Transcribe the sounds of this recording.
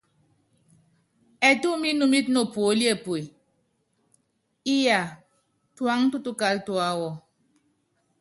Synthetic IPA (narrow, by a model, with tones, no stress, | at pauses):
ɛ˨tu˦mi˦nu˦mi˦t̚no˨po˨˦li˦e˦˨pwe˨ | i˦ja˨ | twa˦ŋtu˦tu˦ka˦ltwa˦wɔ˦˨